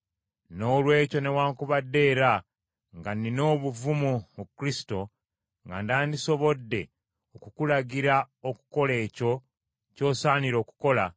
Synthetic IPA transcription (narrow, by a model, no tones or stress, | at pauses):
no̞ːlwe̞ːco̞ne̞waːŋkuβadːe̞ːɾa | ŋɡanino̞ːβuvumumukɾisi̥to̞ | ŋɡa̰ndaːndiso̞βo̞dːe̞ | okukulaɟiɾa | oku̥ko̞le̞ːco̞ | co̞ːsaːniɾo̞ːku̥ko̞la